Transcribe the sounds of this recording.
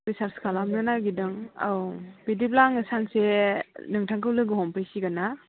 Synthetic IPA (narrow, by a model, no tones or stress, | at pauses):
ɾisaɾskʰalamnɯnaɡidɯŋa̰wpidiplaŋɯsaŋsenɯŋtʰaŋkɯwlɯɡɯɦɔmpʰɯjsiɡana